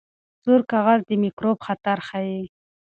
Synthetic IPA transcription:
z̥uɾkaɣazd̪əmikɾobxat̪aɾxaji

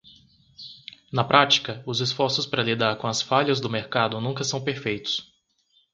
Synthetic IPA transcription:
nɐpɾʔat͡ʃi̥kɐʊzɪsfɔɾsʊspaɾɐlid̪aɾkõɐsfaʎɐzd̪ʊmeɾkad̪ʊnũŋkɐsɐ̃w̃peɾfejt̪ʊ̥s

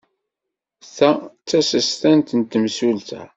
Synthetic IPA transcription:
θæt͡sːæsəst̪ænt̪ənt̪əmsult̪æ̰

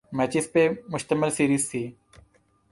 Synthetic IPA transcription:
mɛːt͡ʃɪspemʊʃt̪əmɪlsiːɾiːzt̪ʰiː

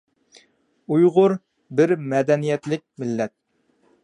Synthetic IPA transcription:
ujʁʊɾ | bɪɾmɛd̪ɛnijɛt̪lɪk̚ʲmɪlːɛt̪̚

